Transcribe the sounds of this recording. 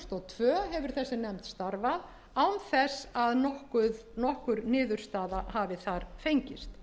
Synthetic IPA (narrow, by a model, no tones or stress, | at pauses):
st̪ɔɣt̪ʰvœːɦɛvʏɾ̥θɛsːɪnɛmt̪st̪aɾvað | awnθɛsaðɔhkʏ | nɔhkʏɾnɪːðʏɾ̥st̪aːðaɦavɪθaɾfejɲcɪst̪